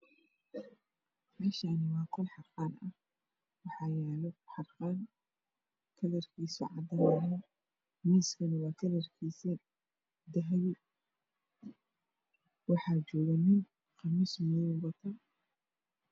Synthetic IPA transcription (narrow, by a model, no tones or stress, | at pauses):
mɛːʃanɪwɑːkʰɔlħɑrqɑːnɐh | wɑħɑːjɛːlɔħɑrqɑn | kʰɐlɐrkʰiːsɔ̰ʕɑd̪ɐnɐnɐ | miːskʰɐnɐwɑːkʰɐlɐrkʰiːsɐ | d̪ɐɦɛj | wɑħɑːt͡ʃɔːɣɐnɪn | qɑmismʊɪðʊwɐt̪ʰɐ